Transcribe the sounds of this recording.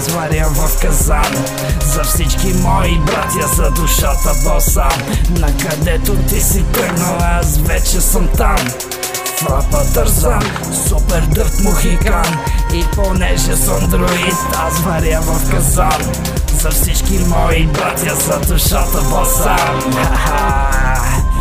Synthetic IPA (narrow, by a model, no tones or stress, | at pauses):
zmaɾiavɔfkɐzan | zɐfsit͡ʃkimɔibɾat̪jɐzɐd̪uʃat̪ɐvɔsanɐkɐd̪ɛt̪ud̪isit̪ɛnoɛazvɛt͡ʃesɐ̃nt̪an | flapɐt̪ɐɾza | supɛɾd̪əɾt̪muɣik̪aniponɛʒɛsəmd̪ɾʊist̪azvɐɾiavɐmkɐzal | zɐfsit͡ʃkimɔjibɾat̪jɐzɐd̪ʊʃat̪ɐbɔsa | aa